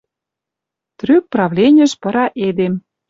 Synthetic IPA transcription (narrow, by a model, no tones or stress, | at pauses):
t̪ryk̚prɑvlʲenʲə̆ʃpɤ̆ɾɑʔed̪em